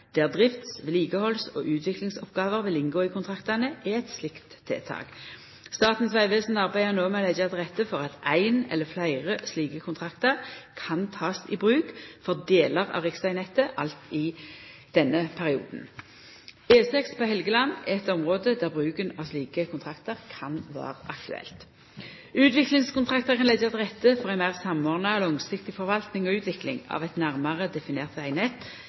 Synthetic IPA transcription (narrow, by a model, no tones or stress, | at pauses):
d̪̥æːʁd̪ʁɪft̪sʋliːɡəhɔlsɔ̰ːʔʉːt̪ʰʋɪklɪŋsɔpɡɑːʋəʁʋɪlɪnɡoːiːkʰʊnt̪ʰʁɑkt̪ɑnəæɛt̪slɪkt̪ʰːḛːt̪ʰɑ̰ːk | st̪ɑːt̪n̩sʋæɪʋeːsn̩ɑʁbæɪənoːmɛlɛd͡ʒəɑt̪ʁɛt̪ːəfɔʁɑt̪æɪnɛ̰lːəflæɪʁəsliːkəkʰʊnt̪ʰʁɑkt̪əʁkʰɑnt̪ʰɑːsḭːbʁʉːkfɔʁd̪eːləʁɑ̰ʁɪksæɪnɛt̪ːəʔɑlt̪ɪd̪̥ɛnːəpʰæʁɪṵːd̪n̩ | eːsɛkspʰohɛlɡəlɑnːɛt̪ɔmʁoːd̪əd̪æʁbʁʉːkənɑsliːkəkʰʊnt̪ʁɑkt̪əʁkʰɑnʋɑ̰ːʁəʔɑkt̪ʉ̰ɛ̰lt̪ | ʉːt̪ʋɪklɪŋskʊnt̪ʁɑkt̪əʁkʰɑnlɛd̪jɑt̪ʁɛt̪ːəfɔʁɛnmæɪʁsɑmɔːʁnəɔlɔŋsɪkt̪ɪfɔʁʋɑlt̪nɪŋɔʉːt̪ʋɪklɪ̰ŋɑ̰ʋɛt̪næʁmɑʁəd̪ɛfɪneːʁt̪æɪnɛt̪ː